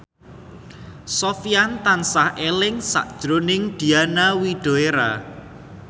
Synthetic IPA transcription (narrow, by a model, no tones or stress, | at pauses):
sofiant̪ansahʔelɪŋsa̰ʔd̥ʒ̥ɾonɪŋd̪̥i̤anawiɖ̥o̤eɾa̰